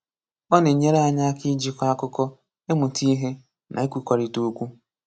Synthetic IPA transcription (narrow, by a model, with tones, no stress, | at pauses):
ɔ˦ne˨ɲe˦ɾe˦a˦ɲa˦ki˦d͡ʒi˦kʷa˦a˦kʊ˦kɔ˦ | e˦mʊ˨ti˦i˦ɦe˦ | nʔa̰˨i˦kʷu˦kʷɔ˨ɾi˨to˦kʷu˦